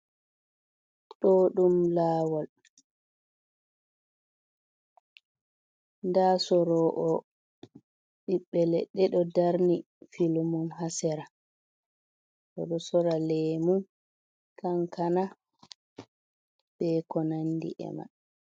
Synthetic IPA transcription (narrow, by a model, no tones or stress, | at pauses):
ɗɔɗumlaːwɔl | ndaːsɔɾɔʔɔ | ɗiɓːɛlɛɗːɛɗɔdaɾni | filumumɦasɛɾa | ɗɔ̰ɗɔsɔɾalɛmum | kaŋkʰana | bɛkɔnandḭʔɛ̰ma̰